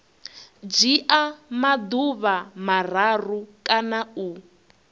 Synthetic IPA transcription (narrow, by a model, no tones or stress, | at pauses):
d͡ʒiʔamad̪uβamar̤arukʼanau